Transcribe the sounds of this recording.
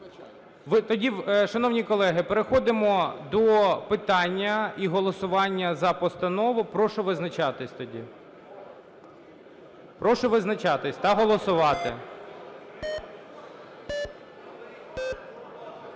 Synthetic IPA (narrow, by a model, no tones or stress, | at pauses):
ʋɪt̪ɔdʲiʃɐnɔwnʲikɔlˠɛɦɪpeɾexɔd̪ɪmɔd̪ɔpɪt̪ɑnʲːɐiɦɔlˠɔsʊʋɑnʲːɐzɐpɔst̪ɐnɔʋʊpɾɔʃɔʋɪznɐt͡ʃɑt̪ɪsʲt̪ɔdʲḭ | pɾɔʃɔʋɪznɐt͡ʃɑt̪ɪsʲt̪ɐɦɔlˠɔsʊʋɑt̪ɪ